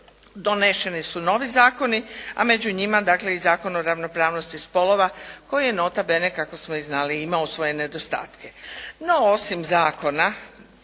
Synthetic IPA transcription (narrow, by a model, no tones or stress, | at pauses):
d̪oneʃe̞nisuno̞ʋizaːko̞nia̰me̞d͡ʑuɲimad̪aːkle̞izaːko̞noɾaʋno̞pɾaːʋno̞st̪ispo̞lo̞ʋako̞jije̞no̞t̪abe̞nekako̞smo̞iznaːliimaosʋo̞je̞ne̞d̪o̞st̪a̰ːt̪keno̞o̞simzaːko̞na